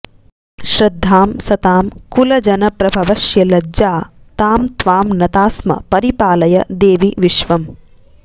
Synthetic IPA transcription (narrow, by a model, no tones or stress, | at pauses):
ʃɾɐd̪ʱːaːmsɐt̪aːmkulɐd͡ʒɐnɐpɾɐbʱɐʋɐʃjɐlɐd͡ʒaː | t̪aːmt̪ʋaːmnɐt̪aːsmɐ̰pɐɾipaːlɐjɐd̪eːʋiʋiʃʋɐm